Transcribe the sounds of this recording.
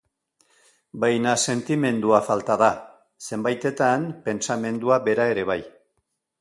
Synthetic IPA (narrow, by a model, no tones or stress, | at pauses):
bajnase̞nt̪ime̞nd̪uafalt̪aða | se̞mbajt̪e̞t̪anpe̞nsame̞nd̪uaβe̞ɾae̞ɾe̞β̞aj